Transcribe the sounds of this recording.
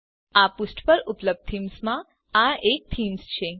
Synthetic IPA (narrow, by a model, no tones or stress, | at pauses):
apusʈpəɾʊpləb̚d̪̚t̪ʰimsmã | aek̚t̪ʰimst͡ʃʰe